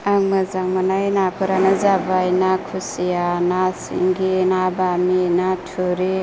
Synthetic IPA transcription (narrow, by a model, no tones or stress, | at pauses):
aŋmazaŋmanajnapʰɯɾanazabajnakʰusijanasḭŋɡinabaminatʰuɾi